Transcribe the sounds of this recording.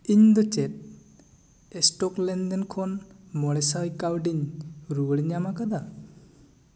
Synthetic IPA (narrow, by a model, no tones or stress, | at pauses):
iɲd̪ɔt͡ʃet̚ | esʈɔklend̪ɛnkʰɔnmɔɽɛsajkawɖiɲɾuɽiɲamakad̪a